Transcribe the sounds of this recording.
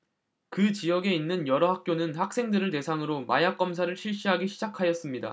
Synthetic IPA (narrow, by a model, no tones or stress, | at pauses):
kɯt͡ɕijʌɡe̞inːɯnjʌɾʌɦak̚k͈jonɯnhak̚s͈ʰe̞ŋdɯɾɯɭte̞sʰaŋɯɾoma̰jak͈̚ʌmsʰaɾɯɭɕʰiɭɕ͈iɦaɡiɕʰid͡ʑakʰajʌs͈ɯmɲida̰